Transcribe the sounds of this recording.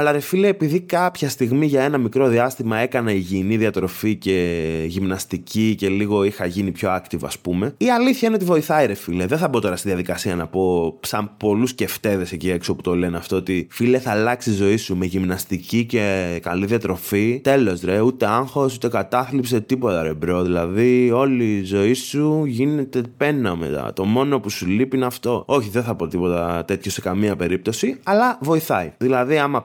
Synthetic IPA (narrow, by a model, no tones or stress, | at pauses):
ɐlɐɾe̞fileepiðikɐpçɐst̪iɣmiʝɐe̞nɐmikɾo̞ðiɐst̪imɐe̞kɐneiʝiniðiɐt̪ɾo̞fice̞ʝimnɐst̪icice̞liɣo̞ixɐʝinipço̞ɐkt̪ivɐ̰spume̞iɐliθçɐineot̪ivo̞iθɐiɾe̞fileðenθɐbo̞t̪o̞ɾɐst̪inðjɐðikɐsiɐnɐpo̞sɐmpo̞lusce̞ft̪e̞ðe̞secie̞ksio̞put̪o̞le̞neɐft̪o̞ot̪ifileθɐlɐksizo̞isumeʝimnɐst̪icice̞kɐliðiɐt̪ɾo̞fit̪e̞lo̞zɾeut̪e̞ɐŋxo̞sut̪e̞kɐt̪ɐθlipse̞t̪ipo̞t̪ɐɾe̞bɾo̞ðilɐðio̞lizo̞isuʝine̞t̪e̞pe̞nɐmḛt̪ɐ̰t̪o̞mo̞no̞pusulipinɐft̪o̞o̞çiðenθɐpo̞t̪ipo̞t̪ɐt̪e̞t̪ço̞se̞kɐmiɐpe̞ɾip̚t̪o̞siɐlɐvo̞iθɐjðilɐðiɐmɐ